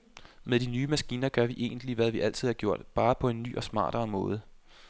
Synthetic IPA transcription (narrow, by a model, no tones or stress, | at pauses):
meðˠd̥inyːmæsɡ̥iːnɐɡ̥ɶɐʋiʔe̝̰ːnd̥liʋæðˠʋiʔæl̰t͡sʰið̞̰ˠhɑ̈ɡ̥jo̝ɐ̰d̥b̥ɑ̈ːpʰɒ̽e̝nːy̰ːʔɒ̽smɑ̰̈ːɾ̥ɐːmɔ̽ːð̞ˠə